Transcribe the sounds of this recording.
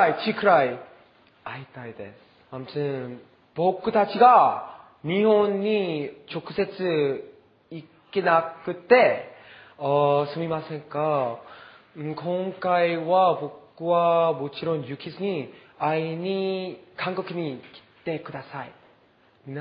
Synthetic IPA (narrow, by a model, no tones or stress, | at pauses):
jt͡ɕʰikʰɯɾaj | ajtajdes | amtʰɯn | pok͈ɯtat͡ɕʰiɡa | miɦonːit͡ɕokʰɯsʰesʰɯ | i | k͈ːenak͈ɯt͈e̞ | ʌsʰɯmimasɯɲik͈a | ɯkoŋk͈aiwapok͈uwamot͡ɕʰiɾonjukʰisʰɯɲi | ainikaŋɡʌkʰiniki̥t͈e̞kɯdasaj | ina